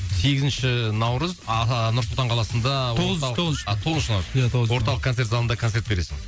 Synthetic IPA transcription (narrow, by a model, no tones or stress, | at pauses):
se̞ɡʲɪzɪnʃɪnɑwɾəznʊɾslt̪ɑɴqʰɑlˠɑsənd̪ɑoʁot̪ʰo̞ʁʃənɑɾjaowo̞ɾt̪ɑlˠəqkʰːot̪e̞ɾt̪zɑlˠənd̪ɑkʰot̪e̞ɾt̪be̞ɾe̞sɪŋ